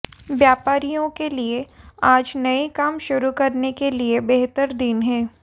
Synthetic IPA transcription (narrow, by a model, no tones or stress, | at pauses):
ʋjaːpaːɾijõkelieaːd͡ʒnɐikaːmʃʊɾukɐɾnekeliebeɦt̪əɾd̪ɪnɦɛ̃ː